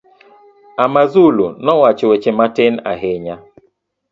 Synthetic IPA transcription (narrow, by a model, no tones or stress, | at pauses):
amazulunɔwat͡ʃwet͡ʃematɪna̰ɦɪɲa